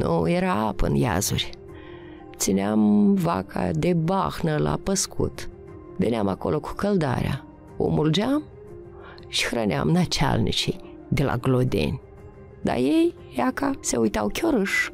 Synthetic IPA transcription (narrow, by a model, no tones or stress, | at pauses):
nujeɾaapɨnjazurʲ | t̪sineamvakʰad̪ebaxnəlapəskʰut̪ | veneamako̞loku̥kəld̪aɾea | o̰muld͡ʒam | ʃi̥xɾənʲeamnat͡ʃalnʲit͡ʃij | d̪ela̰ɡlod̪ḛnʲ | d̪a̰jej | jakase̞ujt̪awkʲoɾɨʃ